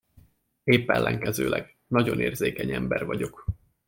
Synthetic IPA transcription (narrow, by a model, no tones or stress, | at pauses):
eːpːɛlːɛŋkɛzøːlʔɛɡ | nɒɟo̞neːrzeːkɛɲɛmbɛrvɒɟo̞k